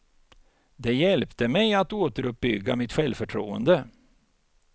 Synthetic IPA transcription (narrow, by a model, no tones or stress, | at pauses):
d̪ɛjɛlpt̪əmɛjat̪oːt̪əɾɵp̚bʏɡːa̰mɪt̪ɧɛlfœʈʰɾṵːə̰nd̪ə